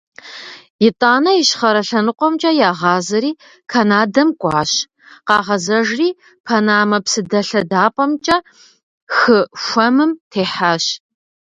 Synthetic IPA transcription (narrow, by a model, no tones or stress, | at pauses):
jɪtʼaːnɐjɪɕχɐɾɐɬɐnɨqʷʼɔmt͡ʃʼɐjaːʁɑːzɐɾiː | kʰɐnaːdɐmkʷʼɑːɕ | qɑːʁɐzɐʒriː | pʰɐnaːmɐpsɨdɐɬɐdaːpʼɐmt͡ʃʼɐ | xɨxʷɐmɨmtʰeːħaːɕ